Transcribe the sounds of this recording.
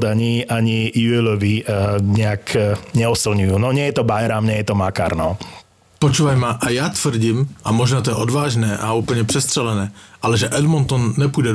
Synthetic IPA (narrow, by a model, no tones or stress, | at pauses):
d̪aɲiaɲijuɛlɔʋiɲɛakɲɛɔsilɲujuːnɔɲɪɛjɛt̪ɔbajɾamɲɛjɛt̪ɔmaka̰ːɾnɔ | pɔt͡ʃuːvajmaʔajaːt̪ʋr̩ɟimʔamɔʒnaːt̪ɔjɛʔɔd̪vaːʒnɛːʔauːpl̩ɲɛpr̥ɛst̪r̥ɛlɛnɛːʔalɛʒɛʔɛdmɔnt̪ɔnːɛpujdɛ